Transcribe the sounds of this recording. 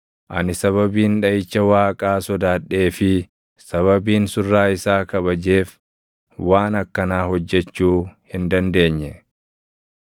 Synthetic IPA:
ʔɐ̰nɪsɐβɐbiːnᶑɐjɪt͡ʃːɐwaːkʼaːsɔd̪aːᶑːe̞ːfɪ | sɐβɐbiːnsʊrːaːɪsaːkɐβɐd͡ʒe̞ːf | waːnɐkːɐnaːhɔd͡ʒːɛt͡ʃːuːhɪnd̪ɐnd̪e̞ːɲːɛ

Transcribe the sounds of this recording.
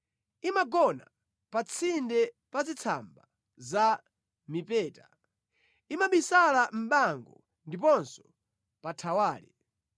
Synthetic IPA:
imaɡɔna̰ | pat͡sʰindɛ | pazit͡sʰa̰mba | za | mipɛːta | imaɓisalam̩ɓaŋɡɔ | ndipɔnsɔ̥ | patʰawaːlḭ

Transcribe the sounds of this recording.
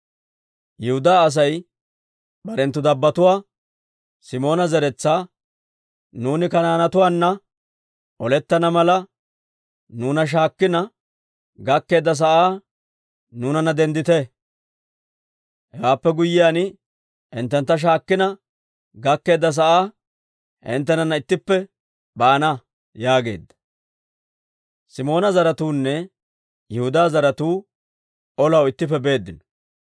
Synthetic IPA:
jɛhʊd̪aːs̬ɐj | bɐɾɛnt̪ːʊd̪ɐbːɐt̪ʊwaː | sɪmo̞ːnɐzɛɾɛt͡sːaː | nuːnɪkɐnaːnɐt̪ʊwaːnːɐ | ʔɔlɛt̪ːɐnɐmɐlɐ | nuːnɐʃ̬aːkːɪnɐ | ɡɐkːe̞ːd̪ːɐs̬ɐʔaː | nuːnɐnɐd̪ɛnd̪ɪt̪ɛ | hɛwaːpːɛɡʊjːɪjaːnɪ | ʔɪnt̪ːɛnt̪ːɐʃ̬aːkːɪnɐ | ɡɐkːe̞ːd̪ːɐs̬ɐʔaː | hɪ̰nt̪ːɛnɐnːɐɪt̪ːɪpːɛ | baːnɐ | jaːɡe̞̰ːd̪ːɐ̥ | sɪmo̞ːnɐzɐɾɐt̪uːnːɛ | jɛhʊd̪aːzɐɾɐt̪uː | ɔlɐwɪt̪ːɪp̬ːɛbe̞ːd̪ːɪnɔ̥

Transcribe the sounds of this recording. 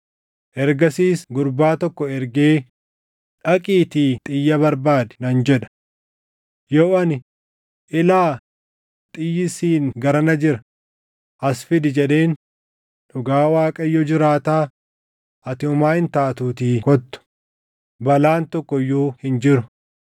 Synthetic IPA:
ʔɛɾɡɐsiːsɡʊɾbaːt̪ɔkːɔɛɾɡeː | ᶑɐkʼiːt̪iːt̪ʼɪjːɐbɐɾbaːd̪ɛ̥nɐnd͡ʒɛᶑɐ̥ | joːɐnɪ | ʔɪlaː | t̪ʼɪjːɪsiːnɡɐɾɐnɐd͡ʒɪɾɐ | ʔɐsfɪd̪ɪd͡ʒɛᶑe̞ːn | ᶑʊɡaːwaːkʼɐjːɔd͡ʒɪɾaːt̪aː | ʔɐt̪ɪʊmaːhɪnt̪aːt̪uːt̪iːkɔt̪ːʊ̥ | bɐlaːnt̪ɔkːɔjuːhɪnd͡ʒɪɾʊ

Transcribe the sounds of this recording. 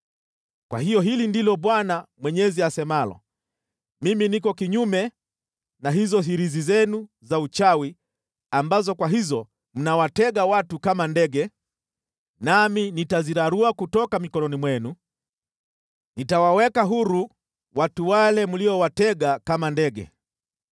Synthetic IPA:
kwʔa̰ɦijɔɦilindilɔɓwanamwɛɲɛziasɛmalɔ̰ | miminikɔkiɲumɛ | naɦizɔɦiɾizizɛnu | zaut͡ʃawi | ambazɔkwaɦizɔ | m̩nawatɛɠawatukamandɛɡɛ | naminitaziɾaɾuakutɔkamikɔnɔnimwɛnu | nitawawɛkaɦuɾu | watuwalɛmuliɔwatɛɠakamandɛɠɛ̰

